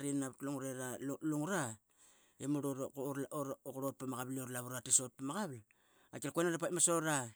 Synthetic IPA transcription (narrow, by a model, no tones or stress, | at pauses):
ɾinaβtluŋuɾeɾaluŋuɾa | emuɾoɾokɾot̚pamaɣaβlioɾlaβuɾatiso̞t̚pamaɡaβl | a̰kilakuenaɾapamasoɾa